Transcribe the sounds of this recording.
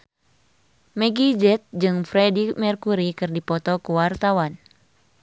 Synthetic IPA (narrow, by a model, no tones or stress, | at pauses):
mɛɡid͡ʒɛt̪̚d͡ʒɨŋfɾɛdimɛrkuɾikɨrdipɔt̪ɔkuwart̪awan